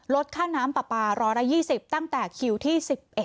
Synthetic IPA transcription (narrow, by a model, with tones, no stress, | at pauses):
lo˦˥t̪̚kʰaː˥˩naː˦˥mpa˨˩paː˧ɾɔː˦˥jɾa˧˥jiː˥˩si˨˩p̚t̪a˥˩ŋt̪ɛː˨˩kʰi˧˥wt̪ʰiː˥˩si˨˩p̚ʔe˨˩t̪̚